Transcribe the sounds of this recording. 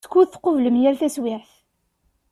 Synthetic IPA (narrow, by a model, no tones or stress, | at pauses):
kːuðθqovləmjælθæswɪħθ